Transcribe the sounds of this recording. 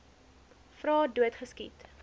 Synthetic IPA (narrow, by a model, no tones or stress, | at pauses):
frɑːduətχəskit